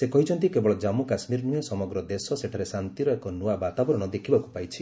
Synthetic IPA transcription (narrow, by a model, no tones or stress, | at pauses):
sekɔɦit͡ʃʰɔnt̪ikebɔɭɔd͡ʒamukasmiɾnũesɔmɔɡɾɔd̪esɔseʈʰaɾesant̪iɾɔekɔnuabat̪abɔɾɔɽ̃ɔd̪ekʰibaku̥pajt͡ʃʰi